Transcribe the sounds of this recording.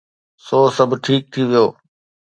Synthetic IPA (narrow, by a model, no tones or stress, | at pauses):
soːsəbʱʈʰiːk̚t̪ʰiːʋɪjoː